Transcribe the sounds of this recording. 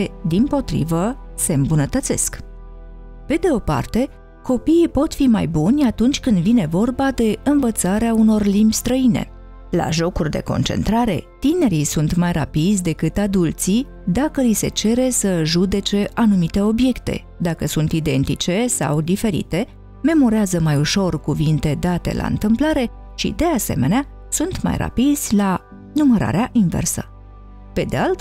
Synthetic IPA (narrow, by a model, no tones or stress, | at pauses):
d̪impo̞t̪ɾḭvəse̞ɨmbunət̪ət̪se̞̰sk | pe̞d̪e̞o̞pa̰rt̪e̞ | ko̞piːpo̞t̪fimajbunʲat̪unt͡ʃʲkɨnd̪vine̞vo̞rbad̪e̞ɨnvət̪saɾeauno̞rlimbʲst̪ɾəine̞̰ | la̰ʒo̞kurʲd̪e̞̰ko̞̰nt͡ʃe̞̰nt̪ɾaɾe̞̰t̪ine̞ɾisunt̪majra̰pid̪zʲd̪e̞kɨt̪ad̪ult̪si | d̪akəlise̞̰t͡ʃe̞ɾe̞səʒud̪e̞t͡ʃe̞ʔanumit̪e̞o̞bje̞kt̪e̞̰ | d̪akəsunt̪id̪e̞nt̪it͡ʃe̞sa̰wd̪ife̞ɾḭt̪e̞ | me̞mo̞ɾeazəmajuʃo̞rkuvint̪e̞d̪at̪e̞̰lʔa̰ɨ̰nt̪ɨmplaɾe̞ | ʃḭd̪e̞ase̞̰me̞nea | sunt̪ma̰jra̰pid̪zʲla | numəɾa̰ɾeaʔinvḛrsə̰ | pe̞d̪ealt̪